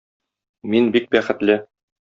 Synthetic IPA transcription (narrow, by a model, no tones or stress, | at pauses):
minbik̚bæχɘ̆t̪lɘ